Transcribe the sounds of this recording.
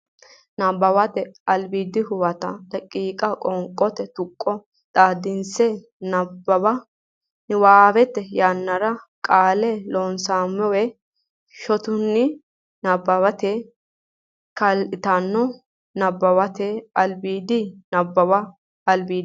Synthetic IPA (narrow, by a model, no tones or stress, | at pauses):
nɐbːɐwɐt̪ɛɐlbiːd̪ɪhʊbɐt̪ɐlɐkʼːiːkʼɐkʼɔŋkʼɔt̪ɛt̪ʊkʼːɔ | ᶑ̪aːd̪ɪnsɛ | nɐbːɐbɐ | waːbɛt̪ːɛjanːɐɾɐkʼaːlɛloːnsaːmːɛwɛ | ʃɔt̪ʊnːɪ | nɐbːɐβɐt̪ɛ | kɐlʔɪt̪ɐnːɔ | nɐbːɐwɐt̪ɛɐlbiːd̪ɪnɐbːɐbɐ | ɐlbiːd̪